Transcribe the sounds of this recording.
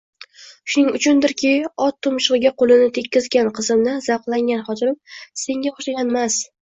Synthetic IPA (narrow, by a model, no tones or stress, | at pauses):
ʃʊnɪŋʊt͡ʃʰʊnd̪ɪɾkʲʰɪɒt̪ʰːʊmʃɨʁɨɡʲaqʰolˠɪnɪt̪ʰe̞kʲːɪzɡʲanqʰɨzɪmnɪz̥aqlˠaŋɡʲanχɒt̪ʰɪɾɪmse̞ŋɡʲaoʃaɡʲanmas